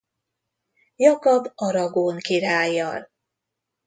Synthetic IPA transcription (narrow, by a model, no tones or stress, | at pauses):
jɒkɒbɒɾɒɡoːŋkiɾaːjːɒl